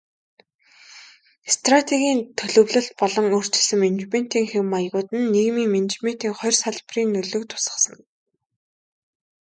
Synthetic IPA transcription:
st̪rat̪ʰeɣʲiːnt̪ʰɵɮɵ̆wɮɘ̆ɬt̪̚pɔɮɞ̆ŋɵr̥t͡ɕɪ̆ɮsɘ̆ment͡ɕmen̥t̪iːŋxewmːajɣʊːt̪ɘ̆nːeɣmiːŋment͡ɕme̥t̪iːŋχɔjrsaɮpriːnːɵɮɵ̆kt̪ʰʊ̥sə̥̆sə̆ŋ

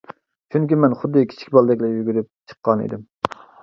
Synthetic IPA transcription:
t͡ʃʰyŋkʲimɛnχʊd̪ːɨkʲʰi̥t͡ʃʰi̥kʲbɑlˠd̪ɛkʲlɛjyɡʲyɾyp̚t͡ʃʰə̥qːɑnḛd̪ɪm

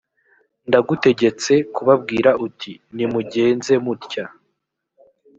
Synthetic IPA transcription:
ndaɡute̞ɟe̞t͡se̞kuβab̚ɡiːɾaʔutʰinimuɟe̞ːnze̞mutca

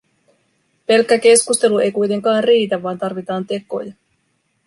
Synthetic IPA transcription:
pe̞lkːæk̟e̞skust̪e̞lue̞jkujt̪e̞ŋkɑːnriːt̪æʋːɑːnt̪ɑrʋit̪ɑːnt̪e̞ko̞̰jɑ

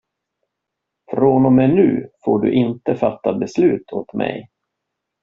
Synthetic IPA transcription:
fɾoːnɔmɛnʉ̟̰ːfoːɖɵ̰ʔɪnt̪əfat̪ːabɛslʉ̟ːt̪ʰoːt̪mɛ̰j

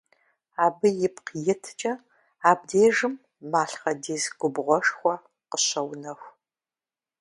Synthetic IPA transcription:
aːbɨjɪpqjɪtʰt͡ʃʼɐ | aːb̚deːʒɨmː | aːɬχɐdiːzɡ̥ʷʊbʁʷɔʂχʷɔ | qəɕɐwnɐxʷ

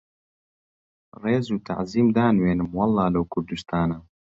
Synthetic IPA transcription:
reːzuːt̪ʰa̰ʕziːmd̪aːnweːnɨmwɑlˠːɑːlɐwkʰʊɾd̪ust̪ʰaːnaː

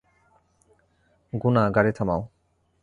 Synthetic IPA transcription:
ɡunaɡaɾet̪ʰamaʊ

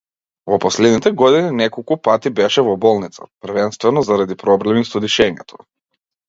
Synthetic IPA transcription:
vɔpɔslɛd̪nit̪ɛɡɔd̪ininɛkolˠkupat̪ibɛʃɛvɔbɔlˠnit̪sa̰pɾ̩vɛnst̪vɛnɔzaɾad̪ipɾɔblɛmisɔd̪iʃɛɲɛ̰t̪ʰɔ̥

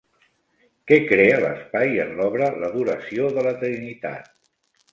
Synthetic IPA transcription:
kɛkɾeələ̰spajənlɔβɾələðuɾəsioðələt̪ɾinit̪a̰t̪̚

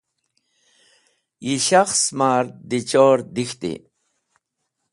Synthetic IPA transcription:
jiɕaxsmaːɾd̪it͡ɕoːɾd̪ixt̪ḭ

